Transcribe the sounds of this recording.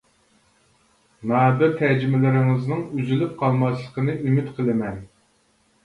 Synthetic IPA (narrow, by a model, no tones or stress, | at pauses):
nɑːd̪ɛt̪ʰɛd͡ʒimɪlɪɾɪŋɨznɨŋyzylyp̚qʰɑlˠmɑslˠəqʰənɨʔymɪt̪qʰəlˠɨmɛn